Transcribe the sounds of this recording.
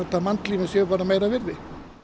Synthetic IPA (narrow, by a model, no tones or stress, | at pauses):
ɛɾt̪amant̪liːmɛsɛʏpaːɾamejɾavɪɾðɪ